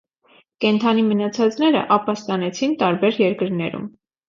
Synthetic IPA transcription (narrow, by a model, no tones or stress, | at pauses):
kɛnt̪ʰɑnimənɑt͡sʰɑt͡snɛɾə̰ʔɑpɑst̪ɑnɛt͡sʰint̪ɑɾbɛɾjɛɾkəɾnɛɾṵm